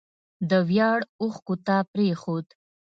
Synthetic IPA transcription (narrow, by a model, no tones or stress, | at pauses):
d̪əwjɑɽʊxkut̪ɑpɾexod̪